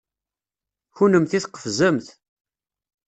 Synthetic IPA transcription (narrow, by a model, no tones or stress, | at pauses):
çunəmθiθqːə̥fzəmθ